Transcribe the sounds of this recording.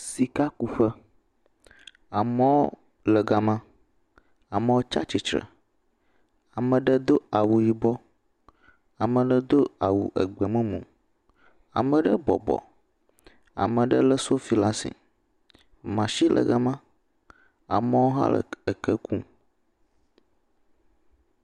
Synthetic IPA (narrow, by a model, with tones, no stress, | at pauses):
si˨ka˦ku˨ɸə˦ | a˨mə˦wo˦ | lə˨ɡa˨mã˦ | a˨mə̃˨˦wo˦t͡ʃa̰˦t͡ʃi˨t͡ʃɾə̰˨ | a˨mə̃˨ɖə˦d̪o˦a˨wu˨ji˨bɔ˦ | a˨mə̃˨ɖə˦d̪o˦a˨wṵ˨ʔə̰˨ɡ͡bɛ˨mə̃˦mṵ̃˨ | a̰˨mə̃˨ɖə˦bɔ̰˨bɔ̰˨ | a̰˨mə̃˨ɖə˦lə˦so˦fi˦la˦sḭ˨ | mã˨ʃi˦lʔə̰˨ɡə˦mã˦ | a̰˨mə˦wo˦ɦa̰˦lə̰˨ə˨kə˦kʰũ˦